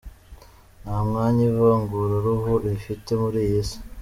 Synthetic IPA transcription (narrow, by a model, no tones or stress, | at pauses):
naːmŋaːɲivaŋɡuɾuɾuɦuʔifitemuɾijisi̥